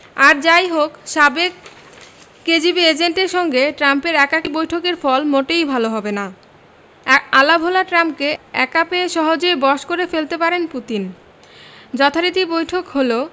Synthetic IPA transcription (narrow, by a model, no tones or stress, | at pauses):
aɾd͡ʑajɦokʃabek̚ː | ed͡ʑibied͡ʑenʈeɾʃɔŋɡeʈɾampeɾɛkakibojʈʰokeɾfɔlmoʈejbʱaloɦɔbena | ɛkalabʱolaʈɾampkeɛ̰kapeeʃɔɦod͡ʑoebɔʃkoɾefelt̪epaɾenput̪in | d͡ʑɔt̪ʰaɾit̪ibojʈʰokɦolo